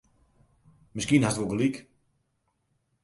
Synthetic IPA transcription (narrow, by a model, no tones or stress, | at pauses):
mɪskiːnhasdʋɔɡəlik